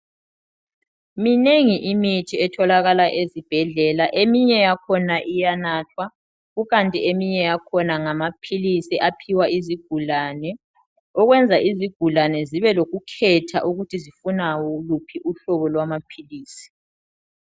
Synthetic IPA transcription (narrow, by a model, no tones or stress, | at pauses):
mineŋiʔimitʰiɛtʰɔlaɣalaʔezib̥ʱɛɮɛlaʔemiɲɛjakʰɔnaʔijanaːtʰwa | ɣuɣantʼiemiɲɛjakʰɔnaŋamapʰilisiʔapʰiwaiziɡ̥ʱulanɛ | ɔɣwɛnd͡zʱaʔiziɡ̥ʱulanɛziβɛloɣukʰɛtʰa̰ʔuɣutʰizifunawɔlupʰiʔuɬɔβɔlwamapʰiliːsi̥